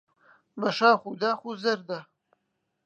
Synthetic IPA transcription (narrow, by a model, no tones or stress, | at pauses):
bɐʃaːχud̪aːxuzɐɾd̪ɐ